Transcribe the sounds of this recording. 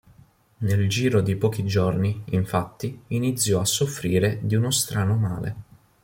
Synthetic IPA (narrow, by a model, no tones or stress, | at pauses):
neld͡ʒiːɾod̪ipɔːk̟id͡ʒorniiɱfat̪ːiinit̪sːjɔasːofɾiːɾed̪iunost̪ɾaːnomaːlḛ